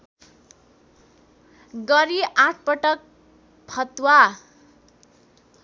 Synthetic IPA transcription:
ɡʌɾiʔaʈ̚ʰpʌʈʌk̚ | pʰʌt̪wa

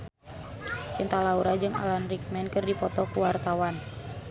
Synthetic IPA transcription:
t͡ʃint̪alauɾad͡ʒɨŋa̰lanrik̚mɛnkɨrdipɔt̪ɔkuwart̪awan

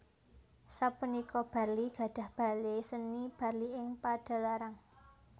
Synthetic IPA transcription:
sapunikɔb̥a̤rliɡ̥a̤ɖ̥a̤hb̥a̤lesənib̥a̤rliɪŋpaɖ̥a̤laɾaŋ

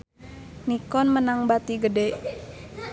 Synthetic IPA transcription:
nikɔnmənaŋbat̪iɡədɛʔ

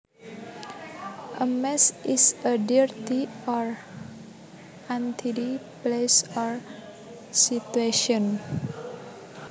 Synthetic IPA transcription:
ʔəmɛsisədiɹt̪iɔɹ | ʔant̪ʰidi | plesɔɹ | sit̪ueʃiɔn

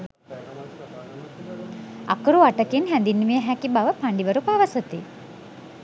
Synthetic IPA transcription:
a̰kəɾuaʈəkinɦænd̪inːmijəɦækibaʋəpaɳɖiʋəɾupaʋəsət̪i

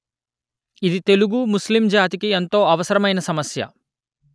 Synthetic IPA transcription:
id̪it̪e̞luɡumuslimd͡ʒaːt̪ikient̪o̞ːɐʋɐsɐɾɐmɐjnɐsɐmɐsjɐ̰

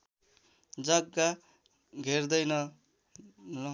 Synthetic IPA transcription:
d͡zʌɡːa | ɡʱerd̪ʌjnʌ | lʌ

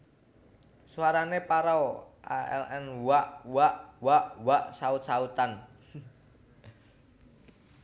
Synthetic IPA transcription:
suaɾanepaɾawʔaɛ̰lɛnwaʔwaʔwaʔwaʔsaʊt̪̚saut̪an

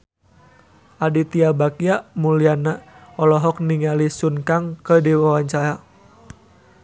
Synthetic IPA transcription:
ʔadit̪iabakiaʔmulianaɔlɔɦɔk̚niŋalisunkaŋkədiwawaɲt͡ʃaɾa

